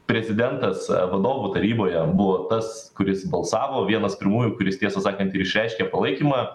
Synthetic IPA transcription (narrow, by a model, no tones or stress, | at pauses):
pʲɾʲɛzʲɪd̪ʲɛnt̪ɐsʋɐd̪oːʋuːt̪ɐɾʲiːboːjɛbʊʋoːt̪ɐs | kʊɾʲɪsbɐlˠsɑːʋoːʋʲiɛnɐspʲɪɾmuːjukʊɾʲɪst̪ʲiɛsɐsɑːkɐnt̪ɪɾɪʃʲɾʲæˑɪʃʲkʲɛpɐlˠɐɪkʲiːmɑː